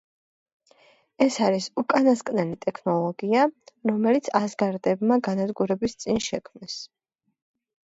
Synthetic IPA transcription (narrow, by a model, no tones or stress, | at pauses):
ɛsaɾisukʼanaskʼnɛlit̪ʼɛkʰnɔlˠɔɡiaɾɔmɛlit̪sʰasɡaɾd̪ɛbmaɡanad̪ɡuɾɛbist̪sʼinʃɛkʰmnɛs